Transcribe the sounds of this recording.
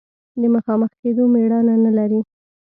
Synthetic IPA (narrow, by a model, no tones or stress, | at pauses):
d̪əməxɑməxked̪omeɽɑnanalaɾi